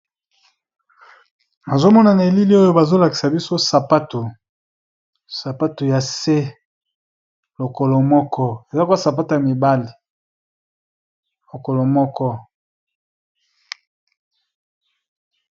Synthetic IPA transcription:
na˨zo˦mɔ˦na˨na˨e˨li˦li˦o˦jo˦ba˨zo˦la˨ki̥˨sa˨bi˦so˦sa˨pa˦to˨ | sa˨pa˦to˨ja˨se˦ | lo˨ko˨lo˨mɔ˦kʰɔ˦e˨za˦kwa˦sa˨pa˦to˨ja˨mi˨ba˦li˨ | lo˨ko˨lo˨mɔ˦kɔ˦

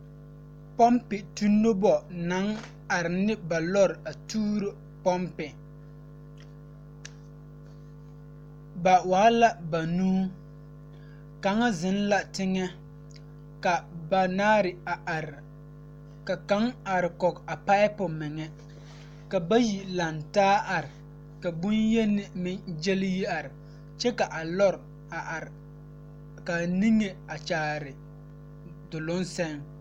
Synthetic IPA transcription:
pɔ˦mpɪ˨tu˦nːo˦bɔ˨na˨˦ŋ | a˨ɾɪ˨nɪ˦ba˨lɔ˦ɾɪ˨a˨tuː˦ɾo˦ | pɔ˦mpɪ˨ | ba˨waː˨˦la˦ba˨nuː˦ | ka˨ŋa˦zɪ˨˦n˦la˦tɪ˦ŋɛ˦ | ka˨ba˨naː˦ɾɪ˨a˨ʔa˨ɾɪ˨ | ka˨ka˨˦ŋa˨ɾɪ˨kɔ˨ka˨pa˦ɪ˦pʊ˨mɪ˨ŋɛ˦ | ka˨ba˦ji˨la˨ntaː˦ʔa˨ɾɪ˨ | ka˨bʊ˦njɛ˦nɪ˦˨mɪ˦d͡ʒe˦lɪ˦ji˦a˨ɾɪ˨ | t͡ʃɛ˦ka˨ʔa˨lɔ˦ɾ | a˨ɾ | ka˨ni˦ŋe˨a˨t͡ʃaː˨ɾɪ˨ | dʊ˨lʊ˦nsɛ˦ŋ

